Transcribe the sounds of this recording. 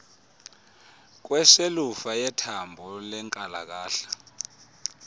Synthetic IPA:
k̬wɛselufajɛtʰambʱɔlɛŋkʼala̰k̬aːɬḁ

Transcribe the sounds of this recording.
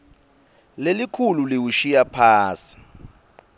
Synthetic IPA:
lelikʰululiwuʃijapʰaːsi̥

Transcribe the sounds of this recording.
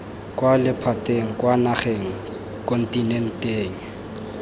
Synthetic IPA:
kʼwalɪpʰatʼeŋ̩kwanaχeŋ̩ | kʼɔn̩tʼinɛn̩tʼeːŋ̩

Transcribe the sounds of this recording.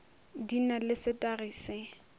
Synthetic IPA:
dinalɪsɪtʼariːsɪ

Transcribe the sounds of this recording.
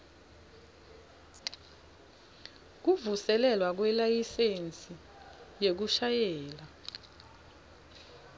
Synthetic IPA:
k̬uvusɛlɛlwak̬wɛlajisent͡sʼi | jek̬uʃajɛːla

